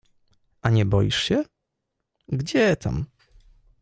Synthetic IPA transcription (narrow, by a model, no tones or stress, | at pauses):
ʔaɲɛbɔjiʂɕɛ | ɡd͡ʑɛt̪ʰa̰m